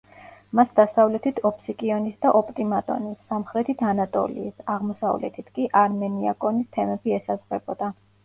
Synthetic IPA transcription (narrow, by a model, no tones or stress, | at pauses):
masd̪asavlɛt̪ʰit̪ʰɔpʰsikʼiɔnisd̪aʔɔpʼt̪ʼimat̪ʼɔ̰nisːamχɾɛt̪ʰit̪ʰanat̪ʼɔ̰lḭːsaʁmɔsa̰vlɛ̰t̪ʰit̪ʰkʼiʔaɾmɛniakʼɔnist̪ʰɛmɛbiɛsazʁɛbɔd̪̥a